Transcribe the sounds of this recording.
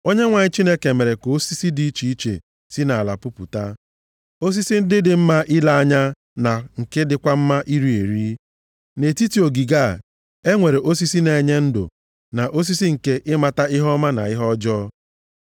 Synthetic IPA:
o˦ɲe˦ŋʷa˨ɲɪ˦t͡ʃi˦ne˦ke˨me˨ɾe˨ko˨˦si˦si˦di˦i˦t͡ʃi˨i˦t͡ʃḛ˨ | si˦na˨a˨la˨pʊ˦pṵ˨ta˦ | o˦s̬i˦si˦n̩˦dɪ˦dɪ˨m̩˦ma˦ʔɪ˦la˦a˦ɲa˦ | na˨ŋ̩˨ke˦dɪ˦kʷa˦m̩˦ma˦ʔi˦ɾi˦e˨ɾi˦ | ne˨ti˦ti˨o˨ɡi˨ɡa˦˨ | e˦ŋʷe˨ɾe˨ʔo˦s̬i˦si˦ne˨ɲe˦n̩˦dʊ̰˨ | na˨ʔo˦s̬i˦si˦ŋ̩˨ke˦ʔɪ˦ma˨ta˦ɪ˦ɦɔ˦ma˦na̰˨ɪ˦ɦɔ˦d͡ʒɔ˦

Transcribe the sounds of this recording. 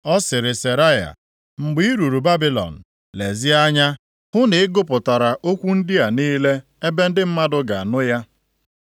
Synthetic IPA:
ɔ˦sɪ˨ɾɪ˨se˨ɾa˦ja̰˨ | ŋ͡m̩˨ɡ͡bi˦i˦ɾu˨ɾu˨ba˦bi˦lɔ̰˨n̩˨ | le˨zɪ˦a˦ɲa˦ | hʊ˦nɪ˨ɪ˦ɡʊ˦pʊ˨ta˨ɾa˨ʔo˦kʷu˦n̩˦dɪ˦a˨niː˦le˦ | e˦be˦n̩˦dɪ˦m̩˦ma˦dʊ˦ɡa˨a˨nʊ˦ja˦

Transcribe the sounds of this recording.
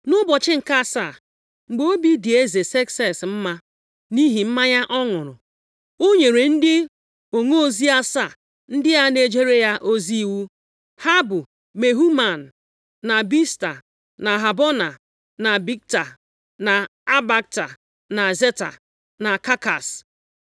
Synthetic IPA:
nʊ˦bɔ˨t͡ʃɪ˦ŋ̩˨ka˦˨sa˦˨ | ŋ͡m̩˨ɡ͡bo˦o˦bi˦di˨e˦ze˨se˦ksɛ˨sm̩˦ma˦ | ni˦ɦi˨m̩˦ma˦ɲa˦ʔɔ˦ŋʊ˨ɾʊ̰˨ | o˦ɲe˨ɾe˨n̩˦dɪ˦ | o˨ŋo˦o˦zi˦a˦sa˦˨ | n̩˦dɪ˦ja˦ne˨d͡ʒe˦ɾe˦ja˦ʔo˦zi˦i˦˨wu˦ | ha˦bʊ˨ | me˨ɦu˦ma˨n̩˨ | na˨bi˦sta̰˨ | na˨ɦa˨bɔ˦na˨ | na˨bi˦k̚ta˨ | na˨a˦ba˦k̚ta˨ | na˨ze˦ta̰˨ | na˨ka˦ka̰˨s

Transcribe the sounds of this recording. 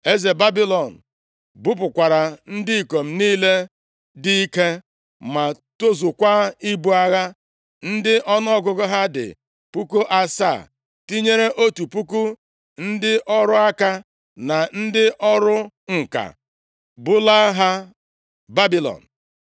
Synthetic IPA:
e˦ze˨ba˦bi˦lɔ˨n̩˨ | bʊ˦p̬ʊ˨kʷa˨ɾa˨n̩˦dɪ˦i˨ko˨m̩˨niː˦le˦ | dɪ˦i˦ke˦ | ma˨ | to˦zu˨kʷa˦i˦bu˨a˦ɣa˦ | n̩˦dɪ˦ʔɔ˦nɔ˦ɔ˦ɡʊ˦ɡʊ˦ɦa˦dɪ̰˨ | pu˦ku˦ʔa˦sa˦˨ | ti˦ɲe˦ɾe˦ʔo˦tu˨pu˦ku˦ | n̩˦dɪ˦ʔɔ˦ɾʊ˦a˦ka˦ | na˨n̩˦dɪ˦ʔɔ˦ɾʊ˦ | ŋ̩˨ka̰˨ | bʊ˦la˦ɦa˦ | ba˦bi˦lɔ̰˨n̩˨

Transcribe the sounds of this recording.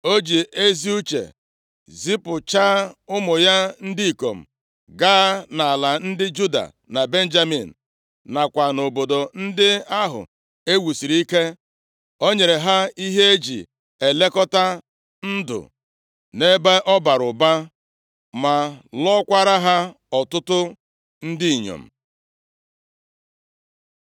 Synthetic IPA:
o˦d͡ʒi˨e˦zi˦u˦t͡ʃḛ˨ | zi˦pʊ˨t͡ʃa˦ʊ˦mʊ˨ja˦n̩˦di˦i˨ko̰˨m̩˨ | ɡaː˦na˨a˨la˨n̩˦dɪ˦d͡ʒu˦da̰˨ | na˨be˦n̩˦d͡ʒa˦mḭ˨n̩˨ | na˨kʷa˨no˨bo˨do˨n̩˦dɪ˦a˦ɦʊ̰˨ | e˦wu˨si˨ɾi˦i˦ke˦ | o˦ɲe˨ɾe˨ɦa˦i˦ɦe˦e˦d͡ʒḭ˨ | e˨le˦kɔ˦ta˦ | n̩˦dʊ̰˨ | ne˦be˦ʔɔ˦ba˨ɾʊ˨ba˦ | ma˨lɔ˦kʷa˦ɾa˦ɦa˦ | ɔ˨tʊ˦tʊ˦ | n̩˦dɪ˦i˨ɲo̰˨m̩˨

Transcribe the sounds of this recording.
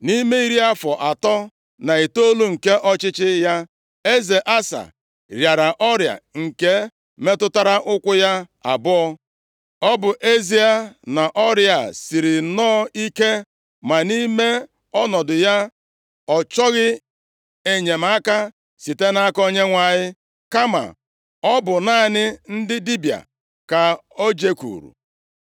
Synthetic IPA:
ni˦me˦i˦ɾi˦a˦fɔ˨ʔa˨tɔ˦ | na˨i˨to˦lu˦ŋ̩˨ke˦ʔɔ˦t͡ʃɪ˦t͡ʃɪ˦ja˦ | e˦ze˨ʔa˦sa̰˨ | ɾja˨ɾa˨ʔɔ˦ɾja̰˨ŋ̩˨ke˦ | me˦tʊ˦ta˦ɾa˦ʔʊ˦kʷʊ˦ja˦a̰˨bʊ˦ɔ˦ | ɔ˦bʊ˨ʔe˦zi˦a˨na˨ʔɔ˦ɾja˨si˨ɾi˨nɔː˦i˦ke˦ | ma˨ni˦me˦ | ɔ˦nɔ˨dʊ˨ja˦ | ɔ˨t͡ʃɔ˦ɣɪ˦ | e˨ɲe˨m̩a˦ka˦ | si˨te˦na˦a˦kɔ˦ɲe˦ŋʷa˨ɲɪ˦ | ka˦ma̰˨ | ɔ˦bʊ˨na˦nɪ˦n̩˦dɪ˦di˦bi˨a̰˨ | ka˨o˦d͡ʒe˦kṵ˨ɾṵ˨

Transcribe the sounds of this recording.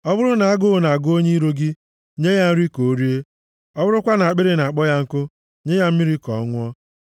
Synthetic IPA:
ɔ˦bʊ˦ɾʊ˦na˨a˦ɡʊ˦˨na˨a˨ɡʊ˦o˦ɲe˦i˦ɾo˦ɡɪ˦ | ɲe˦ja˦n̩˦ɾi˦ko˨˦ɾi˦e˦ | ɔ˦bʊ˦ɾʊ˦kʷa˦na˨a˨k͡pe˦ɾe˦na˨k͡pɔ˦ja˦ŋ̩˦kʊ˦ | ɲe˦ja˦m̩˦mi˦ɾi˦kɔ˨ɔ˦ŋʷ˦ɔ˦

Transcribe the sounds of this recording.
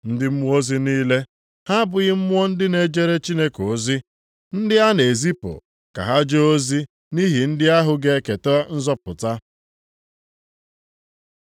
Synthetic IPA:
n̩˦dɪ˦m̩˦mʊ˦o˦zi˦niː˦le˦ | ha˦bʊ˨ɣɪ˦m̩˦mʊ˦ɔ˦n̩˦dɪ˦ne˨d͡ʒe˦ɾe˦t͡ʃi˦ne˦ko˨zi˦ | n̩˦dɪ˦a˦ne˨zi˦po̰˨ | ka̰˨ɦa˦d͡ʒo˦zi˦ | ni˦ɦi˨n̩˦dɪ˦a˦ɦʊ˨ɡe˦ke˨tɔ˦n̩˦zɔ˦pʊ˨ta˦

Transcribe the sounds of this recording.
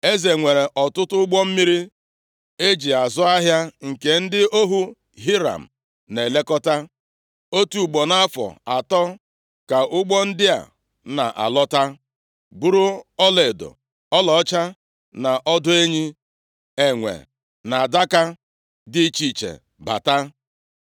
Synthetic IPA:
e˦ze˨ŋʷe˨ɾe˨ʔɔ˨tʊ˦tʊ˦ɡ͡bɔ˦m̩˦mi˦ɾi˦ | e˦d͡ʒi˨a˨zʊ˦a˦ɦja˦ŋ̩˨ke˨n̩˦dɪ˦o˦ɦu˦ | ɦi˦ɾa̰˨m̩˨ | ne˨le˦kɔ˦ta˦ | o˦tu˨ɡ͡bɔ˨na˦a˦fɔ̰˨a˨tɔ˦ | ka˨ʔʊ˦ɡ͡bɔ˦n̩˦dɪ˦a̰˨ | na̰˨ʔa̰˨lɔ˦ta˦ | ɡ͡bu˦ɾu˦ɔ˦le˨do̰˨ | ɔ˦lɔ˨ɔ˦t͡ʃa˦ | na˨ʔɔ˦dʊ˦e˦ɲi˦ | e˨ŋʷḛ˨ | na˨a˨da˦ka˦ | dɪ˦t͡ʃi˦˨t͡ʃḛ˨ | ba̰˨ta˦

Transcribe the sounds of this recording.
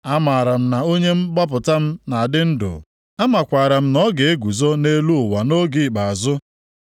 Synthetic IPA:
a˦ma˨ɾa˨m̩˦na˨o˦ɲe˦m̩˦ɡ͡ba˦p̬ʊ˨ta˦m̩˦na˨a˨dɪ˦n̩˦dʊ̰˨ | a˦ma˨kʷaː˨ɾa˨m̩˦nɔ˦ɡe˨e˦ɡʷu˨zo˦ne˦lu˦ʊ˨wa˨no˦ɡi˨k͡pa˨a˨zʊ˦

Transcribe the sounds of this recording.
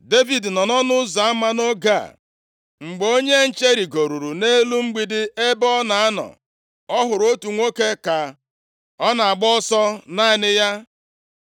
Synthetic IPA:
de˦vi˨dnɔ˨nɔ˦nʊ˦za˨a˦ma˦no˦ɡa̰˦˨ | ŋ͡m̩˨ɡ͡bo˦ɲe˦n̩˦t͡ʃe˦ɾi˨ɡo˨ɾu˨ɾu˨ne˦lu˦ŋ͡m̩˦ɡ͡bi˨dɪ˦e˦bɔ˦na˨a˦nɔ̰˨ | ɔ˦ɦʊ˨ɾo˦tu˨ŋʷo˦ke˦ka˨ | ɔ˦na˨a˨ɡ͡bɔ˦sɔ˦na˦ɪ˨nɪ˦ja˦

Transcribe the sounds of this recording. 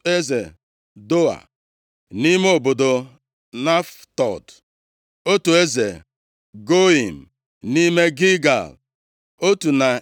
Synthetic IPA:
e˦ze˨ | do˦a̰˨ | ni˦me˦o˨bo˨do˨ | na˦ftɔ̰˨d | o˦tu˨e˦zḛ˨ | ɡo˦i˨m̩˨ | ni˦me˦ɡi˦ɡa̰˨l | o˦tu˨na˨

